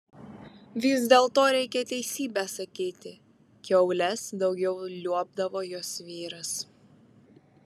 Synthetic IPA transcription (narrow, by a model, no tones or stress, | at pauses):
ʋʲɪzd̪ʲeːlˠt̪oːɾʲɛɪkʲɛt̪ʲɛɪsʲiːbʲæsɐkʲiːt̪ʲɪ | kʲɛʊlʲɛsd̪ɒʊɡʲɛʊlʲuɔb̚d̪ɐʋoːjoːsʋʲiːɾɐs